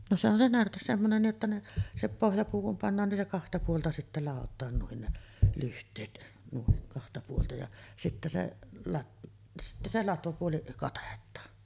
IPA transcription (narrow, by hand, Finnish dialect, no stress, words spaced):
no se on se nærtes semːonen niːʔ ʔetːæ ne se pohjɑpuː kum pɑnːɑːn nin se kɑhtɑ puoltɑ sitːæ lɑˑotˑɑːn nuin ne lyhtˑeːt nuin kɑhtɑ puoltɑ jɑ sitːæ se lɑt sitːæ se lɑtʋɑpuoli kɑtetˑɑːn